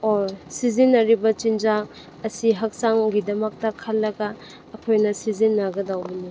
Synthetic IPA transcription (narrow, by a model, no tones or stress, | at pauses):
osizinːɐɾibɐt͡ʃind͡ʒak̚ | ɐsiɦɐk̚saŋɡidɐmɐk̚tɐkʰalːɐɡaː | kʰojnɐsizinːaɡɐdawbini